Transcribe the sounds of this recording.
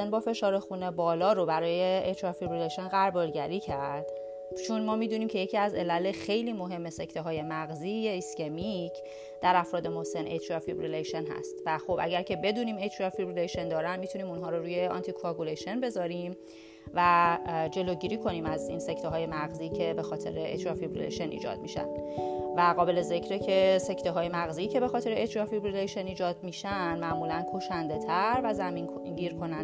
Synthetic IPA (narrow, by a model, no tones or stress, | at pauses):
enbɒːfe̞ʃɒːɾe̞xunebɒːlɒːɾobæɾɒːje̞et̪ʰɾɒfibɾileʃenɣæɾbɒlɟæɾiːcʰæɾd̪̥ | t͡ʃʰunmɒːmiːd̪uːniːmcʰe̞jecʰiːæze̞lælexe̞jliːmo̞ɦe̞mːe̞se̞cʰt̪ʰeɦɒːje̞mæɣziːjeiscemicʰ | d̪̥æɾæfɾɒːd̪e̞mose̞net̪ʰɾɒfibɾileʃenɦæ̰st̪væxo̞bʔæ̰ɟæɾcʰe̞be̞d̪uːniːmet̪ʰɾɒfibɾileʃend̪ɒːɾænmit̪ʰuniːmunɦɒːɾoɾuːje̞ɒ̰nt̪ʰikʰɒkuleʃenbe̞zɒːɾim | væd͡ʒe̞loɟiːɾiːkʰo̞niːmæzḭnsect̪ʰeɦɒːje̞mæɣziːcʰe̞be̞xɒːt̪ʰe̞̰ɾeḛt̪ʰɾɒfibɾḛlḛʃenʔḭːd͡ʒɒ̰ːd̪̥̚miʃæ̰nd̪væɣɒːbe̞le̞ze̞cʰɾecʰe̞se̞cʰt̪eɦɒːje̞mæɣziːcʰe̞be̞xɒːt̪e̞ɾeet̪ʰɾɒfibɾileʃeniːd͡ʒɒːd̪miːʃænd̪mæʔmuːlænkʰoʃænd̪e̞t̪ʰæɾvæzæmin | ɟiːɾkʰo̞næn